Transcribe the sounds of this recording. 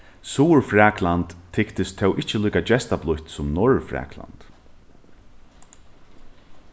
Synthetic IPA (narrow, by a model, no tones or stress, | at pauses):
suːɹfɾaːklant̪ʰːɪkt̪ɪst̪ʰɛwʔɪht͡ʃəluːkat͡ɕɛst̪aplʊht̪sʊmnɔɹfɾɛ̰ːkla̰nt̪